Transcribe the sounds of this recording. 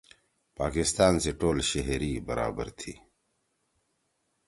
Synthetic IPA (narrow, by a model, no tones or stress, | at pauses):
paːkɪst̪aːnseʈoːlʃeɦɾibɐɾa̰ːbə̰ɾt̪ʰi